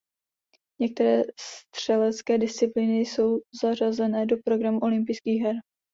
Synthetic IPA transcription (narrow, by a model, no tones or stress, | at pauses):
ɲɛk̚t̪ɛɾɛːst̪r̝̥ɛlɛt͡skɛːdɪst͡sɪplinɪjso̞wzar̝azɛnɛːdo̞pɾo̞ɡɾamuʔo̞lɪmpɪjskiːɣɦɛɾ